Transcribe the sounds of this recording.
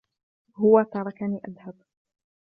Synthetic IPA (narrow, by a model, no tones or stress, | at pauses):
hʊwat̪ɑɾˤɑkaniːʔad̪hab